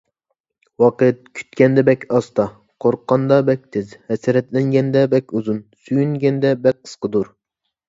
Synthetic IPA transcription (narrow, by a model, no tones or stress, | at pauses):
wɑqət̪̚kʲʰy̥t̪kʲɛnd̪ɛbɛkʲɑst̪ɑ | qʰoɾqːɑnd̪ɑbɛk̚ʲt̪ʰɪzhɛsɪɾɛt̪lɛŋɡʲɛnd̪ɛbɛkʲuzunsyjyŋɡʲɛnd̪ɛbɛk̚ʲqʰːə̥sqəd̪uɾ